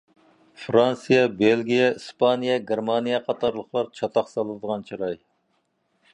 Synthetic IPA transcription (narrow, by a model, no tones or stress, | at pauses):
fɾɑnsɨjɛbelɡʲijɛispʰɑnijɛɡʲeɾmɑnijɛqʰɑt̪ʰɑɾlˠəχlˠɑɾt͡ʃʰɑt̪ʰɑχsɑlˠɨd̪əʁɑnt͡ʃʰiɾɑj